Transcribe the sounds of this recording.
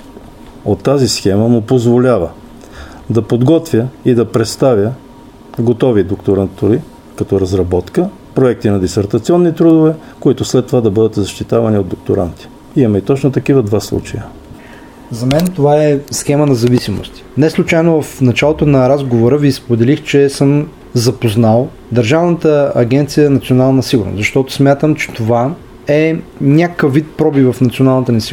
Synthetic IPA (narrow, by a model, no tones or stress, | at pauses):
ot̪ːazisxɛməmʊpozvolʲavə | d̪ɐpod̪ɡɔt̪vʲjəid̪ɐpɾɛt̪st̪avʲjə | ɡot̪ɔvid̪okt̪oɾant̪oɾi | kɐt̪ɔɾɐzɾɐbɔt̪kə | pɾoɛk̚t̪inɐd̪isɛɾt̪ɐt̪siɔnːit̪ɾud̪ovɛ | koit̪ʊslɛt̪ːovad̪ɐbɤd̪ət̪zɐʃt̪it̪avɐniod̪ok̚t̪oɾa̰nt̪i̥ | imɐit̪ɔt͡ʃnot̪ɐkivəd̪vaslˠṵt͡ʃɐ̰jə | zɐmɛnt̪ovaɛsxɛmənɐzɐvisimo̰st̪i̥nɛslˠʊt͡ʃajnovɐfnɐt͡ʃalˠot̪onɐɾazɡovoɾəvispod̪ɛlixt͡ʃɛsəm | zɐpoznalˠ | d̪ɐɾʒavnət̪əɐɡʲɛnt̪sijəɛnɐt̪sionalˠnəsiɡʊɾno̰szɐʃt̪ɔt̪ʊ̥smʲjat̪əmt͡ʃɛ̥t̪ova | ɛnʲakəvːit̪̚pɾɔbivɐfnɐt̪sionalˠnət̪ənɛsi